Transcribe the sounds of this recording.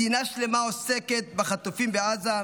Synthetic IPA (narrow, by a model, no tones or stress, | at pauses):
inaʃle̞maoseket̪̚baχat̪ufimbeaza